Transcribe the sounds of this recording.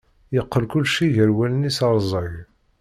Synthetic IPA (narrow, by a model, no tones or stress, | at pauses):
jəqːəlkʊlːʃiʝəɾwælnisɑɾˤzˤəʝ